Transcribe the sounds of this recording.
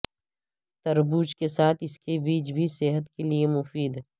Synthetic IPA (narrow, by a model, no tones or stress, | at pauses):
t̪ɐɾbuːt͡ʃkesaːt̪ʰɪskebiːt͡ʃbʱiseɦət̪keliemʊfiːd̪